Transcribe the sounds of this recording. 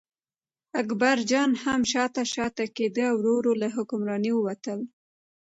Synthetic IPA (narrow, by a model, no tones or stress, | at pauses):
akbaɾd͡ʒɑnhamʃɑt̪aʃɑt̪aked̪əawɾoɾolaɦʊkʊmɾɑniwəwat̪əl